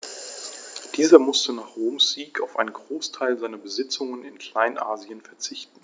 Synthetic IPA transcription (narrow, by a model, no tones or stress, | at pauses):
d̥iːzɐmʊstənaːχʁ̥oːmsz̥iːkaʊfʔa̰ɪnənɡʁoːstʰaɪlzaɪnɐbəzɪt͡sʊŋənɪnkl̥aɪnʔaːziənfɛɐt͡sɪçtn̩